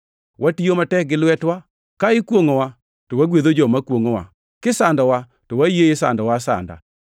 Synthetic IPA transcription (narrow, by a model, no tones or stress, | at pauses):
wʔatijomatɛk̚ɡɪlwɛtwa | kaɪkwoŋowa | tɔwaɡwed̪od͡ʒɔmakwoŋowa̰ | kɪsandɔwa | tɔwajeɪsa̰ndɔwasa̰nda̰